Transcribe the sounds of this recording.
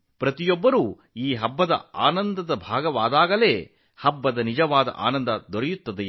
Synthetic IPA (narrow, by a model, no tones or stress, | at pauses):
pɾɐt̪ijɔbːɐɾuː | iːɦɐbːɐd̪ɐ̰a̰ːnɐnd̪ɐd̪ɐbʱaːɡɐʋaːd̪aːɡɐle̞ː | hɐbːɐd̪ɐnid͡ʒɐʋaːd̪ɐ̰ʔa̰ːnɐnd̪ɐd̪ɔɾɛjut̪ːɐd̪e